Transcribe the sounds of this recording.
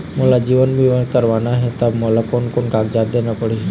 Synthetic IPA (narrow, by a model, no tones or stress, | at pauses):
moːlad͡ʒiːʋənbʱiʋə̃kəɾʋaːnaɦɛt̪əbmolakonkonkaːkd͡ʒaːd̪d̪eːnapəɽi